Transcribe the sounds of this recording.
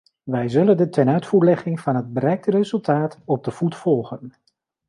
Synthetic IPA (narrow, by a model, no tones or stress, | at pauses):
ʋɛjzɵləndətʰɛnœɥtfuːɹlɛχɪŋvɑnɦəd̚bəɾɛjk̚tərezɵlˠtʰaːtɔb̚dəv̥utfɔlˠχən